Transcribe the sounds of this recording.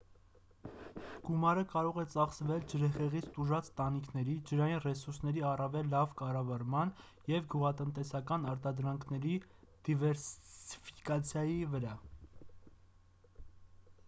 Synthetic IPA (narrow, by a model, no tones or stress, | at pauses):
ɡ̥umɑɾəkɑɾɔʁɛt͡sɑχsvɛld͡ʒəɾɛχɛʁit͡sʰt̪uʒɑt͡st̪ɑnikʰnɛɾid͡ʒəɾɑjinrɛsuɾsnɛɾiɑrɑvɛlːɑvkɑrɑvɑɾmɑn | jɛvɡuʁɑt̪ənt̪ɛsɑkɑnɑɾt̪ɑd̪ɾɑŋkʰnɛɾid̪̥ivɛɾsfi̥kɑt͡sʰjɑjivəɾɑ